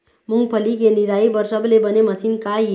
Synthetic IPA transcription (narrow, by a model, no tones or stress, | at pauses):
muŋɡpʰʌlikeniɾajbʌɾsʌblebʌnemʌsʰinkaj